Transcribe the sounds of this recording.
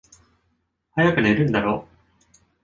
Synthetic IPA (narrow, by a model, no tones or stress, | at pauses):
hajakɯ̟ne̞ɾɯ̟̃nd̪aɾoː